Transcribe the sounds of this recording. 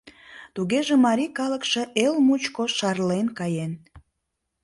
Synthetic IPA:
t̪uɣeʒemɑɾikɑləkʃe̽ʔelmut͡ɕkoʃɑrlenkɑjen

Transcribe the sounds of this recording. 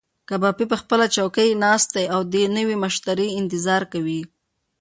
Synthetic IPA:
kabɑpip̬əxpəlat͡ʃawkəjnɑst̪̚ajawd̪enəwimʊʃt̪aɾiɪnt̪ɪzɑɾkawi

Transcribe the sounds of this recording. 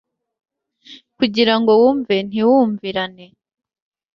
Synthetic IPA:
kuɟiɾaŋɡo̞wuːɱven̥iwuːɱviɾane̞

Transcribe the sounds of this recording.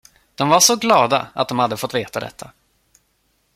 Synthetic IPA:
d̪̥ɔmvaʂɔɡlɑːd̪a̰a̰t̪̚d̪ɔmhad̪ːəfɔt̪ːveːt̪ad̪ɛ̰t̪ʰːa

